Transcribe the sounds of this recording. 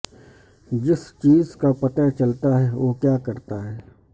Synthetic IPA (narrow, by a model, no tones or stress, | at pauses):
d͡ʒɪst͡ʃiːzkapɐt̪at͡ʃɐlt̪aɦɛʋoːkjaːkɐɾt̪aɦɛː